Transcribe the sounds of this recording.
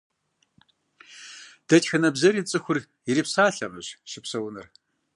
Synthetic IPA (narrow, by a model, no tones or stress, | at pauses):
d̥ɐtħɪnɐbzɐɾit͡sʼɨxʷʊr | jɪɾipsaːɬɐmɐɕʃɪpsɐwʊnɨ̰r